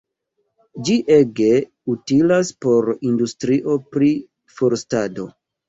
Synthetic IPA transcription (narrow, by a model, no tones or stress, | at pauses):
d͡ʒiʔeɡe̞ | utilaspo̞ɾindustɾiʔo̞pɾi | foɾstado̞̰